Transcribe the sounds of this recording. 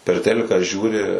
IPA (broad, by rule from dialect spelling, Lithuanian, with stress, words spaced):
pʲɛr ˈtʲæːlʲɪkɑː ˈʒʲuːrʲɪ